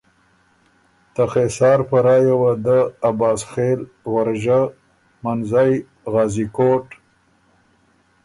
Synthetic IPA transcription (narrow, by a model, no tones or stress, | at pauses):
t̪axesɑːɾpaɾɑjawad̪əːbɑːsxeːl | ɣaɾʒa | manzaj | ɣɑːzikoːʈ